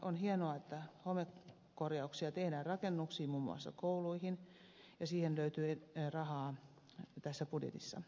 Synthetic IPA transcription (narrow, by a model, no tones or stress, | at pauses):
ʔonhienoɑet̪ːæhomek | korjɑuksiɑt̪ehdæːrrɑkenːuksiːmumːṵɑ̰sːɑ̰kouluihin | jɑsiːhenløyt̪yːerɑhɑː | t̪æsːæpudjḛt̪isːɑ̰